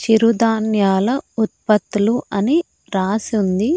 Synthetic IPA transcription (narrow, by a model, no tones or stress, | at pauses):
t͡ʃiɾud̪aːnjaːlɐut̪̚pɐt̪ːuluʔɐni | ɾaːsiund̪i